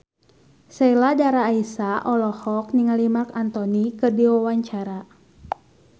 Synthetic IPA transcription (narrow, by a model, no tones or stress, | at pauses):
sɛiladaɾaːisaʔɔlɔhɔk̚niŋalimakant̪ɔnikɨrdiwawaɲt͡ʃaɾa